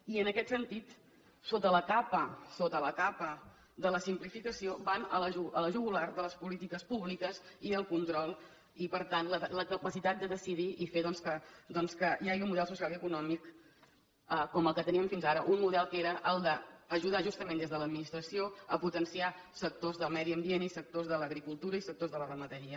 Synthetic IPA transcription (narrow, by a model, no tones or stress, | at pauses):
iənəkɛt̪sənt̪it̪ | sot̪ələkapəsot̪ələkapə | d̪ələsimplifikəsiobanələʒuələʒuɣulaɾd̪ələspulit̪ikəspuβlikəziəlˠkunt̪ɾɔlˠ | ipəɾt̪anlələkəpəsit̪at̪̚d̪əðəsiðiifeðɔnskəd̪ɔnskəiaʒiunmuðɛls̬usialiəkunɔmik | əkɔməlˠkət̪əniəɱfinzaɾəʔunmuðɛlˠkeɾəʔəlˠd̪əːʒuð̞aʒust̪əmend̪ezðələd̪minist̪ɾəsioəput̪ənsia | sək̚t̪ozðəlˠmɛðiəmbienisək̚t̪ozðələɣɾikulˠt̪uɾəisək̚t̪ozðələrəmət̪əɾiə